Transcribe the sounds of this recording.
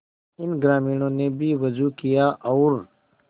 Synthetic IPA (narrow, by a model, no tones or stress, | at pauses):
ɪnɡɾaːmiːnõːnebʱiʋɐzukijaʔɔːɾ